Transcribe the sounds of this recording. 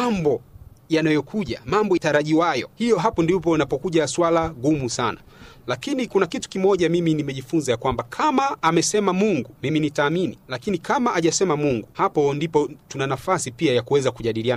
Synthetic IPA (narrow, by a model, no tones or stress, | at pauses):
mambɔjanajɔkʰuʄamambɔitaɾaʄiwajɔ̰hijɔɦapɔndip̬ɔinapɔkuʄaswalaɡumusana̰lakinikunakitu̥kimɔʄamiminimɛʄifunzajakwambakʰamaːmɛsɛmamuŋɡumiminitaːminilakinikamaʔaʄasɛmamuŋɡuhapɔndipɔtunanafasipiajakuwɛzakuʄaɗilian